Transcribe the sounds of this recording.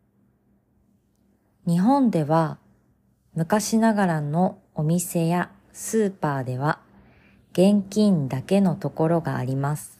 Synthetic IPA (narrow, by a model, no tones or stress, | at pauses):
ɲ̟iɦõ̞nd̪e̞βa | mɯ̟kaɕinaɡaɾano̞ | omʲise̞ja | sɨːpaːd̪e̞β̞a | ɡ̥ẽ̞ŋkʲĩnd̪ake̞no̞t̪o̞ko̞ɾo̞ɡa̰ːɾʲimasɨ̥